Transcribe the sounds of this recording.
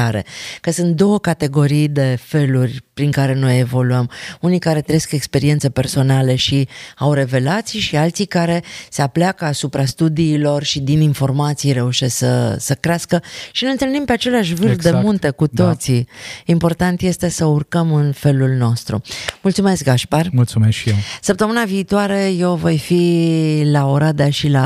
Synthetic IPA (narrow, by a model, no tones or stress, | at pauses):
aɾe̞̰kəsɨnt̪̚d̪o̞wəkat̪e̞ɡo̞ɾijd̪e̞fe̞lurʲpɾiŋkaɾe̞no̞je̞vo̞luəmunijkaɾe̞t̪ɾeeske̞kspe̞ɾie̞nt̪sepe̞rso̞nale̞ʃiawɾe̞ve̞lat̪sijʃialt̪sikaɾe̞se̞apleakəasupɾast̪ud̪iːlo̞rʃid̪ininfo̞rmat̪sijɾe̞uʃessə̰səkɾeaskəʃinenelnimpe̞at͡ʃe̞leaʃvɨrfd̪e̞munt̪e̞kut̪o̞t̪siːmpo̞rt̪ant̪je̞st̪e̞səurkəmɨnfe̞lulno̞st̪ɾṵmult̪sume̞sk̚ɡaʃparmult̪sumesʃiesəp̚t̪əmɨnaviːt̪oaɾe̞je̞wvo̞jfilaoɾad̪eʃila